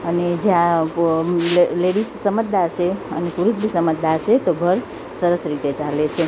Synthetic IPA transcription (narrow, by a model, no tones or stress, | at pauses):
əned͡ʒeã | lleɽisːəmət̪̚d̪aɾt͡ʃʰeənepuɾuʃ̬bʱisəmət̪̚d̪aɾt͡ʃʰet̪obʱəɾ | səɾəsɾit̪et͡ʃalet͡ʃʰe